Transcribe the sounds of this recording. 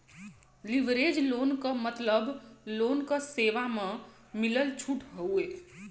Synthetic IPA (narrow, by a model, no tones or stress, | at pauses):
liʋɾed͡ʒloːnkəmət̪ləbloːnkəseːʋamẽ | miləlt͡ʃʰuʈɦəueː